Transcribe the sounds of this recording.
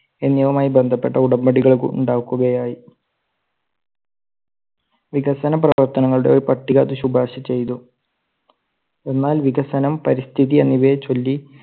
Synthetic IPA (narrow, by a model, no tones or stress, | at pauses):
enːjɐʋɐmaːjibe̞nd̪ʱɐpːeʈːɐuɽɐmːɐɽiɣɐɭkṵṵɳɖaːʋkːuɣɐjaːji | ʋiɡɐsɐnɐprɐʋɐrt̪ɐnɐŋːɐɭuɽe̞oɾupɐʈːiɣa̰ːt̪ːuɕubʱaːɕɐt͡ɕe̞jt̪u | e̞nːaːlʋiɡɐsɐnɐmpɐɾist̪ʰiðienːiʋet͡ɕo̞lːi